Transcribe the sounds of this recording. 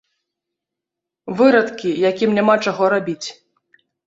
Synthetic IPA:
vɨɾɐt̪kʲijakʲimnʲamat͡ʂaɣɔɾabʲit͡sʲ

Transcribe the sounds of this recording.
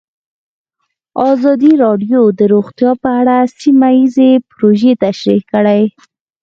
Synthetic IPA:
ɑzɑd̪iɾɑɖjod̪əɾoɣt̪jɑpəaɽasimajizepʊɾoʒet̪aʃɾikəɽaj

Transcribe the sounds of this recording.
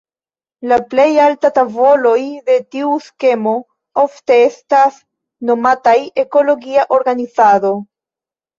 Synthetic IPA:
laple̞jaltatavo̞lo̞jde̞tiuske̞mo̞ | o̞fte̞estas | no̞mataje̞ko̞lo̞ɡiaʔo̞ɾɡanizado̞

